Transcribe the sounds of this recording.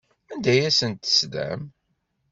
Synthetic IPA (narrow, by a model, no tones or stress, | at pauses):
ænd̪æjæsənt̪ə̥sd̪æ̰m